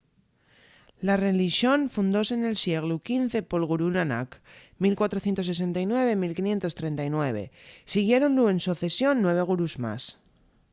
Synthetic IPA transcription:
lare̞liʃjo̞nfund̪o̞sene̞lsje̞ɣ̞lukinθe̞po̞lɣ̞uɾunana̰kmilkwat̪ɾo̞θje̞nt̪o̞s̬ːe̞s̬e̞nt̪ajnwe̞β̞e̞milkinje̞nt̪o̞st̪ɾe̞nt̪ajnwe̞β̞e̞̰siɣ̞je̞ɾo̞nlue̞nsuoθe̞sjonːwe̞β̞e̞ɣ̞uɾuzma̰s

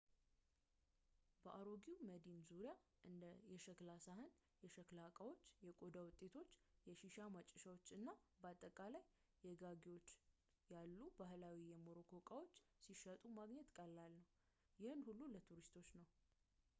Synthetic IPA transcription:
bəʔaɾo̞ɡiwməd̪inzuɾija | ʔɨnd̪əjɛʃəklasaɦɨn | jɛʃəklakʼawo̞t͡ʃːjɛkʼo̞d̪awʊt̪ʼːe̞t̪ʰo̞t͡ʃːjɛʃiʃamat͡ʃʼːɪʃawot͡ʃːɨnːabəat̪ʼːəkʼalajː | ɛɡaɡiwo̞t͡ʃː | jalːubahlawijɛmoɾokʰokʼawo̞t͡ʃːsiʃət̪ʼumaɡɲɛt̪kʼəlːalnəw | jɪhɨnhulːulət̪ʰuɾist̪ʰo̞t͡ʃːnəw

